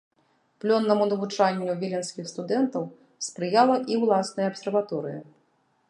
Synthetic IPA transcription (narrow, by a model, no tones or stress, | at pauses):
plʲɔnːɐmunɐvut͡ʂanʲːuvʲilʲɛnskʲixst̪ud̪ɛnt̪ɐw | spɾɨjalˠɐʔiwlˠasnɐjɐːpsʲɛrvat̪ɔɾɨjɐ